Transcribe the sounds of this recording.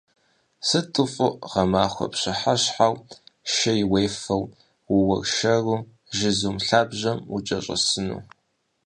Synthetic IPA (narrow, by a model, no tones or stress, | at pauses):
sɨtʰʼɨfʼʊʁɐmaːxʷɔ̰pɕɪħaɕħawʃɐjɪwejfɐw | wʊwɐrʃɐru | ʒɪzumɬaːbʑɐmut͡ʃʼɐɕʼɐ̰sɨnṵː